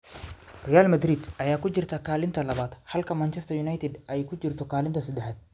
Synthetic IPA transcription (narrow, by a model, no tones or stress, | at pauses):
rɛjaːlmɐd̪ɾid̪ʔɐjaːkʰʊt͡ʃɪrt̪ʰɐkʰaːlɪnt̪ʰɐlɐβaːd̪hɐlkʰɐmaːnt͡ʃɛst̪ɐjunajt̪ʰɪd̪ʔɛjkʰʊt͡ʃɪrt̪ʰɔkʰaːlɪnt̪ʰɐsɐd̪ɛħaːd̪̥̚